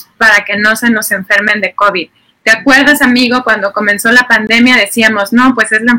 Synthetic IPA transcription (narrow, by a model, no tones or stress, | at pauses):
paɾake̞no̞se̞no̞se̞ɱfe̞ɾmẽ̞nd̪e̞ko̞βið | t̪eakwe̞ɾðasamiɣo̞kwand̪o̞ko̞mẽ̞nso̞lapand̪e̞mjað̞e̞siamo̞zno̞pwe̞se̞zla